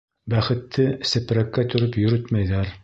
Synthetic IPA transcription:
bæχɘ̆t̪ːɘsɘ̆pɾækːæt̪ɵ̆ɾɵpjɵ̆ɾɵt̪mæjðæɾ

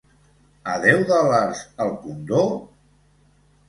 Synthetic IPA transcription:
ə̰ðɛwðəlaɾzəlˠkund̪o

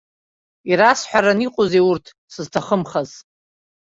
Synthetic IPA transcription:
iɾasħʷᶣaɾaniqʼozeurtʰ | sɨztʰaχəmχaz

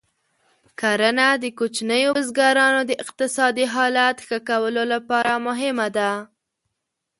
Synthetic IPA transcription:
kaɾanad̪əkot͡ʃnəjozɡɑɾɑnod̪əʔɪq̚t̪ɪsɑd̪iɦɑlat̪xəkawəlolapɑɾamʊɦɪmad̪a

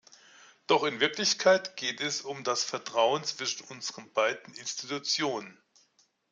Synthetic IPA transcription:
d̥ɔχɪnvɪɐklɪçkʰaɪtɡ̥eːtɛsʊmdasfɛɐtʁ̥aʊənt͡sv̥ɪʃn̩ʔʊnzəʁənbaɪdn̩ɪnstitut͡sjoːnən

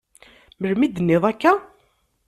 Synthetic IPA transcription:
məɾmid̪ənːɪðˤækːæ

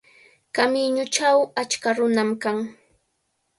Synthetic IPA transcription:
kamɪɲʊt͡ʃawat͡ʃkaɾʊnamkaŋ

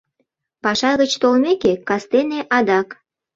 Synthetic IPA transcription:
pɑʃɑɣət͡ɕt̪olmekekɑst̪eneʔɑd̪ɑk

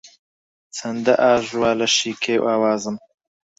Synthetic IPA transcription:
t͡sʰɐnd̪ɐʔaːʒwaːlɐʃiːkʰeːwʔaːwaːzɨm

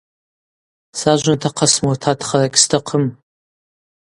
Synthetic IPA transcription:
saʒʷʊntʰaqʰasmurtʰatʰχɐrakʲʼstʰaqʰəm

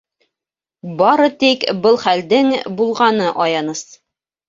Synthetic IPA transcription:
bɑɾɤt̪ikbɤlˠχæld̪ɘŋbulˠʁɑnɤʔɑjɑnɤs

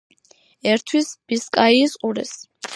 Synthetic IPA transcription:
ɛɾt̪ʰwisb̥iskʼaiːsqʼuɾɛ̰s

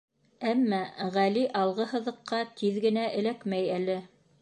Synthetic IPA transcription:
æmːæʁæliʔɑlˠʁɤɦɤ̆ðɤ̆qːɑt̪ʰiðɡɘ̆næʔɘ̆lækmæjælɘ

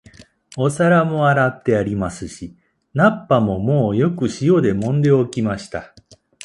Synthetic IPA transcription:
o̞saɾamo̞aɾat̪ːe̞aɾʲimasɨɕi | napːamo̞mo̞ːjo̞kɯ̟ɕijo̞d̪e̞mõ̞nd̪e̞okʲimaɕi̥t̪a

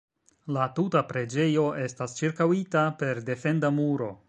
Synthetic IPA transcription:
latutapɾe̞d͡ʒe̞jo̞ʔe̞stast͡ʃiɾkawitape̞ɾde̞fe̞ndamuɾo̞

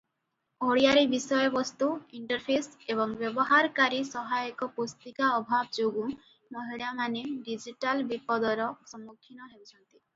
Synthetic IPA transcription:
oɽijaɾibisɔjɔbɔst̪uiɳʈɔɾpʰeseβɔŋbjɔbɔɦaɾkaɾisɔɦajɔkɔpost̪ikaɔbʱabɔd͡ʒoɡũ | mɔɦiɭamaneɖid͡ʒiʈalbipɔd̪ɔɾɔsɔmːukʰːinɔɦewt͡ʃʰɔnt̪i

